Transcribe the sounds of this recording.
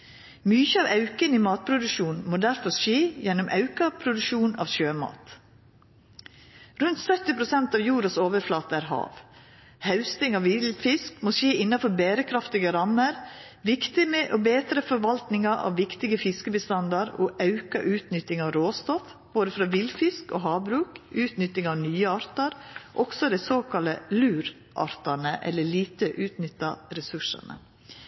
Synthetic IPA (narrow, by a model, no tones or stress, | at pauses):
myːçəɑːʋɑʉkəniːmɑːt̪̚pʰɾʊd̪ʉʃuːnmoːd̪æɾfɔʃeːjɛnʊmʔɑ̰ʉkɑpʰɾʊd̪ʉʃuːnɑ̰ːʋʃøːmɑ̰ːt̪ | ɾʉnt̪sœt̪ɪpʰɾʊsɛnt̪ɑːʋjuːɾɑsoːʋəɾflɑːt̪əæːɾhɑ̰ːʋ | hɑʉst̪ɪŋɑʋɪlfɪskmoːʃeːɪnːɑfɔɾbeːɾəkʰɾɑft̪ɪɡəɾɑməɾʋɪkt̪ɪməʔoːbeːt̪ɾəfɔɾʋɑlt̪nɪŋɑʔɑ̰ʋʋɪkt̪ɪɡəfɪskəbəst̪ɑnd̪ɑɾoːʔɑʉkɑ̰ʔʉːt̪nʏt̪ːɪŋɑːʋɾoːst̪ɔf | b̥oːd̪əfɾɑːʋilfɪsko̰ːɦɑːbɾʉːkʉːt̪nʏt̪ːɪŋɑːʋnyːəɑɾt̪ɑɾʔɔɡ̥sɔd̪æɪsoːkʰɑləlʉːɾ | ʔɑ̰ɾt̪ɑnəʔɛ̰lːəɭiːt̪əʔʉːt̪nʏt̪ːɑɾɛsʉʂɑ̰nə̰